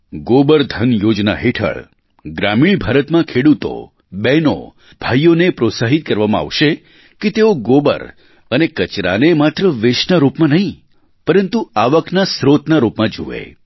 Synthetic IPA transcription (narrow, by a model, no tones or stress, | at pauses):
ɡobəɾd̪ʱənjod͡ʒna̰ɦeʈʰə̰ɭ | ɡɾamiɭbʱaɾət̪mãkʰeɽut̪o̰ | bɛno̰ | bʱajːonepɾosaɦit̪̚kəɾʋamãa̰ʋʃe | ket̪eoɡobə̰ɾ | ənekət͡ʃɾa̰nemat̪ɾəʋɪʃnaɾupmãnəɦĩ | pəɾənt̪uaʋəknasɾot̪naɾupmãd͡ʒṵʋḛ